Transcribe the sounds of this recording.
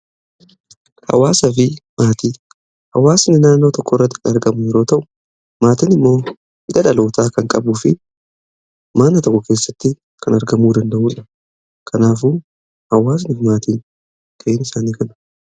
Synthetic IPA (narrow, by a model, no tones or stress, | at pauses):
hɐ̰waːsɐfɪmaːt̪iː | hɐwaːsnɪnaːnːo̞ːt̪ɔkʰːɔɪrːɐt̪ːɪ̥kɐnɐɾɡɐmʊjɛɾo̞ːt̪ɐʔʊ̥ | maːt̪inɪmːo̞ː | hɪᶑɐᶑɐlo̞ːt̪ʰaːkɐŋkʼɐbuːfɪ | maːnːɐt̪ɔkːɔke̞ːsːɐt̪ːɪ | kʰɐnɐɾɡɐmuːd̪ɐnd̪ɐʔuːᶑɐ | kʰɐnaːfu | hɐwaːs̬nɪfɪmaːt̪iːn | t̪ʰɐʔeːnɪsaːniːkɐnɐ̥